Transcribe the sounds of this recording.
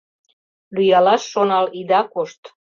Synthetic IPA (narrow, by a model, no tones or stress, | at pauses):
lyjɑlɑʃːonɑlid̪ɑkoʃt̪